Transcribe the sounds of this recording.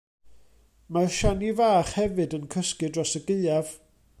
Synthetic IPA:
maʃanivaːχhɛvɨdənkʰəskɨdrɔsəɡɪɨav̥

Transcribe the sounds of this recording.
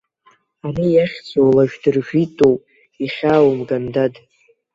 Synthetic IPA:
arijaχʲd͡zolaʒᶣdɨrʒᶣitʼowpʼ | iχʲaːwmɡandad

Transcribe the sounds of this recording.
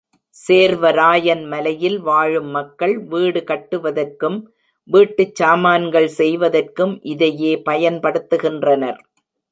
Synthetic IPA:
seːɾʋɐɾaːjɐnmɐlɐjɪlʋaːɻɯmːɐkːɐɭʋiːɽɯkɐʈːɯʋɐðɐrkɯm | ʋiːʈːɯt͡ʃːaːmaːnɡɐɭsɛjʋɐðɐrkɯmʔɪðɐjeːpɐjɐnpɐɽɯt̪ːɯɣɪndrɐnɐɾ

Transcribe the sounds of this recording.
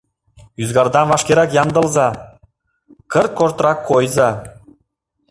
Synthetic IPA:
yzɡɑɾd̪ɑnvɑʃkʲeɾɑkjɑnd̪ɤ̆lˠzɑ | kəɾt̪̚koɾt̪ɾɑkʰːojzɑ

